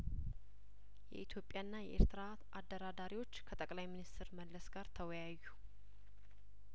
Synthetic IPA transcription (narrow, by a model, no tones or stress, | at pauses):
jɛ̰ʔit̪ʰjo̞pʼjanːajɛʔḛɾt̪ʰɨɾa | ʔad̪ːəɾad̪aɾiwo̞t͡ʃːkʰət̪ʼəkʼlajminist̪ʰɨɾməlːəsɡaɾt̪ʰəwɔjajːu